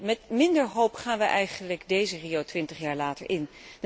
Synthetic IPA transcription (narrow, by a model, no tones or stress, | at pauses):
mɛtmɪndəɹɦowpχaːnʋəʔɛjχənləɡdejzəriowtʋɪntəχjaːɹlaːtə̰ɹʔɪnd